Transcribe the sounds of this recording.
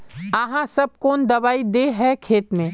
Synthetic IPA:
aɦãsɐb̚koːnd̪ɐʋaːid̪eɦɛkʰeːt̪mẽ

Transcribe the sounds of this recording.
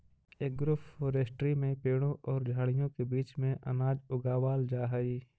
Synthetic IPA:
eːk̚ɡɾʊffoːɾesʈɾimẽpeːɽ̃õʔɔːɾd͡ʒʱaːɽɪjõkebiːt͡ʃmẽʔɐ̰naːd͡ʒʊɡaːwaːld͡ʒaːɦəiː

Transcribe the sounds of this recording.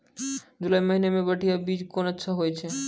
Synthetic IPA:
d͡ʒulaiməɦinemẽbəʈʰijabiːd͡ʒkonətːʃʰaɦojt͡ʃʰɛ

